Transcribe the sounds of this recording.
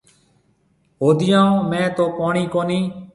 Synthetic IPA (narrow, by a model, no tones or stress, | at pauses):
ɦoːd̪ɪjãːõːmẽːt̪oːpaːɳiːkoːniː